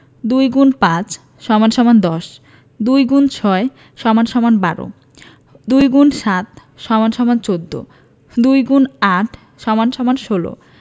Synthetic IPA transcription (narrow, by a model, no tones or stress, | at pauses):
d̪ujɡunpãt͡ɕ | ʃɔmanʃɔmand̪ɔʃ | d̪ujɡunt͡ɕʰɔe | ʃɔmanʃɔmanbaɾo̰ | d̪ujɡunʃat̪ | ʃɔmanʃɔmant͡ɕod̪ːo̰ | d̪ujɡunaʈʰ | ʃɔmanʃɔmanʃolo̰